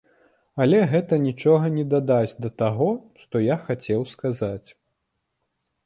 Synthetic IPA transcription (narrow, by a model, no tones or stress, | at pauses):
ɐlʲɛɣɛt̪ɐnʲit͡ʂɔɣɐnʲɛd̪ad̪ad͡zʲd̪ɐt̪aɣɔʂt̪ɔjaxat͡sʲɛwskazat͡sʲ